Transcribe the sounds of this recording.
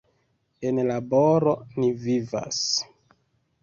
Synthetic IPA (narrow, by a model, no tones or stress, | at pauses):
e̞nlaboɾo̞niviva̰s